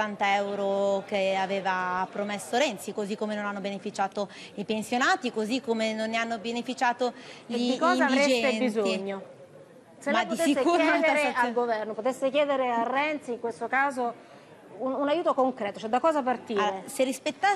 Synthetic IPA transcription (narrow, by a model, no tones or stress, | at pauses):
ant̪aɛɛwɾokeaveːvapɾomesːoɾɛnt̪sikozikːomenonanːobenefit͡ʃaːt̪o | ipensjonaːt̪ikozikːomenonːeanːobenefit͡ʃaːt̪oʎikːɔːizaad̪iɾed͡ʒd͡ʒɛenbizoɲːo | selmɛadpoit̪esisːekuːɾjɛɛd̪eaɾealɡovɛrnopot̪esːekjɛːd̪eɾearːɛnt̪siŋkwest̪okaːzo | ununajuːt̪okoŋkɾɛːt̪ot͡ʃɛd̪ːakɔːzapart̪iːɾeserːispet̪ːa